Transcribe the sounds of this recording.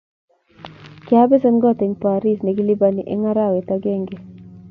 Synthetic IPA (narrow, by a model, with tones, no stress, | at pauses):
kja˦be˦sɔ˦nɡɔ˦t̪ɛ˨ŋpa˨ɾi˦sne˨ɡi˦li˦ba˦ni˨ʔḛ˦ŋa˦ɾa˦˨we˨t̪a˦ɡe˦˨ŋɡe˨